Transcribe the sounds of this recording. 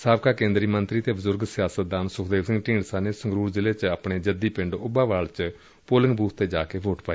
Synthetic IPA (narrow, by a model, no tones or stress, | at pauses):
saːbkaːkẽːnd̪ɾiːmənt̪ɾiːt̪eːbəzʊɾɡsɪjaːsət̪̚d̪aːnsʊkʰd̪eːʋsɪ̃ŋɡʈĩːɳɖsaːneːsəŋɡɾuːɾzɪleːt͡ʃaːpɳeːd͡ʒəd̪iːpɪ̃ɳɖʊbaːʋaːɭt͡ʃ | poːlɪ̃ŋɡbuːt̪t̪eːd͡ʒaːkeːʋoːʈpaːi